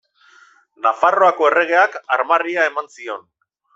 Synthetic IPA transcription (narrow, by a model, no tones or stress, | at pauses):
nafaro̞ako̞e̞re̞ɣ̞e̞akaɾmariae̞mansio̞n